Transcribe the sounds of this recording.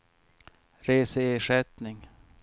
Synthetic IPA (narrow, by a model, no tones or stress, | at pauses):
ɾeːsəeːʂɛt̪nɪŋ